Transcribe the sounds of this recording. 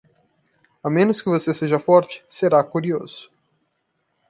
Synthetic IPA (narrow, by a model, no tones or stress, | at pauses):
amẽnʊskɪvoseseʒɐfɔɾt͡ʃɪ̥seɾakuɾioz̥ʊ̥